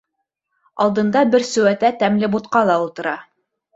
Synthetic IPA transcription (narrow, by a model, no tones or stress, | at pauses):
ɑlˠd̪ɤ̆nd̪ɑbɘɾsɵ̆wæt̪æt̪æmlɘbut̪qɑlˠɑulˠt̪ɤ̆ɾɑ